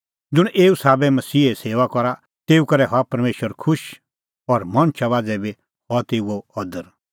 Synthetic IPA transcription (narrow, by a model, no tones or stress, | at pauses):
d͡zʊɽ̃ʔeːusaːbɛmɐsiːɛseːʋakɔɾa | t̪eːukɐɾɛɦɔapɐɾmeːʃəɾkʰʊʃ | ɔɾmɐ̃ñt͡ʃʰaβaːd͡zɛbi | hɔt̪eːuoɔd̪əɾ